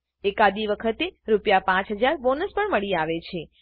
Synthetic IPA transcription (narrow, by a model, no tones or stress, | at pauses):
ekad̪iʋəkʰət̪eɾupjapãt͡ʃɦəd͡ʒaɾbonəspəɳməɭiaʋet͡ʃʰe